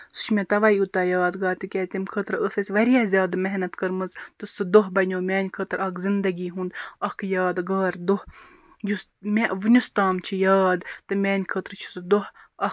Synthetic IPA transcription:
sɨ̥ʃmʲet̪ɐʋaiut̪aːjaːd̪ɡaːɾt̪ɨkʲɛːt̪imkʰət̪ɾəsɐsʲʋɐɾʲjaːzʲjaːd̪meɦnɐt̪kɐɾmɐzt̪ɨsɨd̪oɦbɐnʲoːmʲɛːnʲkʰəːt̪ɾɐkzind̪ɐɡiːɦũnd̪ɐkʰjaːd̪ɡaːɾd̪oh | jusmʲeʋɨnʲust̪aːmt͡ʃʰijaːd̪t̪ɨmʲɛːnʲkʰət̪ɾt͡ʃʰu̥sɨd̪oɦ | ɐ

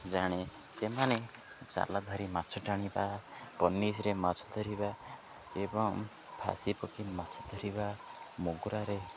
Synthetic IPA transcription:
d͡ʒaɽ̃e | semane | d͡ʒa̰lad̪ʱɔɾimat͡ʃʰɔʈaɽ̃ibapɔnːis̬ɾemat͡ʃʰɔ̥d̪ʱɔɾiba | ebɔŋ | pʰa̰sipɔkimat͡ʃʰɔ̥d̪ʱɔɾibamoɡuɾaɾe

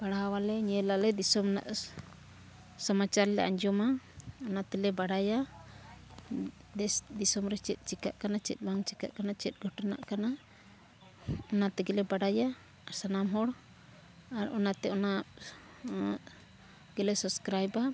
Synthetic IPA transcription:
b̥aɽawalɛɲɛlalɛd̪isɔmɔna̰ʔ | səmat͡ʃaɾlɛa̰ɲd͡ʒɔmaɔnat̪ɛlɛbaɽaja | d̪ɛsd̪isɔmɾɛt͡ʃɛt̪̚ˀt͡ʃika̰ʔkanat͡ʃɛt̪̚ˀbaŋt͡ʃika̰ʔkanat͡ʃɛt̪̚ɡʱɔʈɔna̰ʔkana | ɔnat̪ɛɡɛlɛbaɽaja | sanamɦɔɽ | aɾɔnat̪ɛɔna | ɡ̥ɛlɛsəbskɾajba

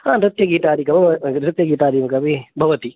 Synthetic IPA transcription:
hãːɾɐt̪jɐɡiːt̪aɾikɐʋɾɐt̪jɐɡiːt̪aɾimkabibʱɐʋɐt̪i

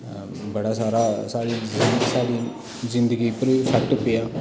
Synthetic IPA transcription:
bəɽaːsaːɾasaːɾizsaːɾi | zɪ̃nd̪əɡipəɾʋisʰaʈʊpejaː

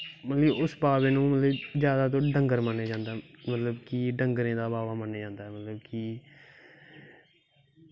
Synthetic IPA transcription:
mət̪ləbʊsbaːʋeːnũːmət̪ləbd͡ʒjaːd̪aːt̪̬õːɖəŋɡəɾmənːeːd͡ʒãːnd̪aːmət̪ləbkiɖəŋɡɾẽːd̪aːbaːʋaːmənːeːd͡ʒãːnd̪aːɦɛːmət̪ləbki

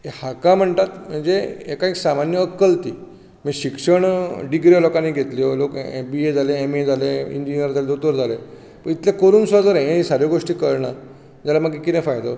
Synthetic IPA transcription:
ehakam̤əɳt̪at̪m̤əɳd͡zeekaeksamanjəːkːəlt̪ḭː | miɕikʂəɳɖiɡɾijlokaniɡʱet̪liolokbied͡zʱaleemed͡zʱaleḭɲd͡ʑinijəɾd͡zaled̪ot̪əɾd͡zʱale | pəɳit̪lakəɾuːnsʋad͡zəɾãɦẽisaɾjoɡoʂʈiːkəɾɳa | d͡ʑalam̤əɡikit̪ɛ̃fajd̪o̰

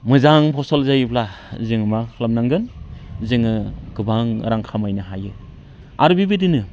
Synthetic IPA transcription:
mɯzaŋpʰɔsɔlzajpʰla | zɯŋmakʰlamnaŋɡɯnzɯŋɯɡɯbaŋɾaŋkʰamajnaɦajɯ | a̰ɾubibidinɯ

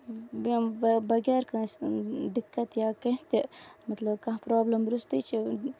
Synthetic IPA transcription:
bɐbɐɡɛːɾkɐ̃sd̪ɪkːɐt̪jaːkɐɦt̪emɐt̪lɐbkɐ̃ɦpɾaːblɐmɾust̪it͡ʃʰi

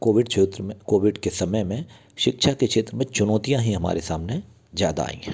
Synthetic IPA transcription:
koːʋɪɖt͡ʃʰet̪ɾkoːʋɪɖkesɐməjmẽ | ʃɪkʃakeʃʰeːt̪ɾəmẽt͡ʃʊnɔːt̪ijãɦĩɦɐma̰ːɾesaːmne | zja̰ːd̪a̰a̰ːḭ̃ː

